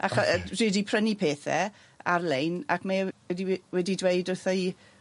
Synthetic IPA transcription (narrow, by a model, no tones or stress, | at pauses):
ʔaχrɨːdipʰr̥ənipʰeːθɛ̰ | arlejna̰kmaɛdiwɛdidwejdʊθɔj